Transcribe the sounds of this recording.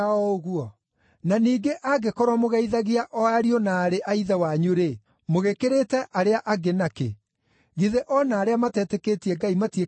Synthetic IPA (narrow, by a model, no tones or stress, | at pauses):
aɔoɣuɔ | naniːɡeʔaɡekɔɾwamoɣaiðaɣiaʔɔaɾionaːɾeʔaiðawaɲuɾe | moɣekeɾetɛʔaɾeaʔaɡenakḛ | ɣiðeʔɔnaːɾeamatɛːtekeːtiɛɡaimatie